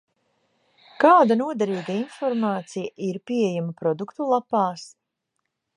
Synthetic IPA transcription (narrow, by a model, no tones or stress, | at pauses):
kaːd̪anuɔd̪ɛɾiːɡainfɔɾmaːt̪sijaʔiɾpiɛjamapɾɔd̪ukt̪ulˠapaːs